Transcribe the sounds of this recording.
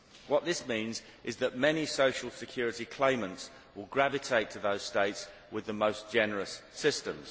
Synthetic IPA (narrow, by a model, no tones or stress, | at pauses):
wɒʔ̪ðɪsmĩːnz | ʔɪzðəʔmɛnisəʊʃəlˠsɪkʰj̥ɔːɹɪtikʰl̥ẽɪ̃mə̃nts | wɪlˠɡɹavɪtʰeɪtʰəðəʊz̥steɪts | wɪðəməʊsd̥ʒ̥ɛnəɹəsːɪstə̃mz̥